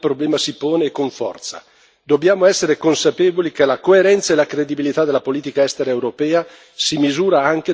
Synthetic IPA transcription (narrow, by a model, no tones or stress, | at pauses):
pɾoblɛːmasipoːneːkːoɱfɔ̰rt̪sa̰ | d̪objaːmoɛsːeɾekonsapeːvolikelakoeɾɛnt̪saelakɾed̪ibilit̪ad̪elːapoliːt̪ikaɛst̪eɾaewɾopɛːa | simizuːɾaaŋk̟e